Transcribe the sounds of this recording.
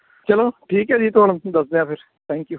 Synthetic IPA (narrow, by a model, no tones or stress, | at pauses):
t͡ʃəloːʈʰiːkɦɛːd͡ʒiːt̪oːɽənd̪əsd̪ẽãːpʰɪɾ | t̪ʰɛ̃ːŋkjuː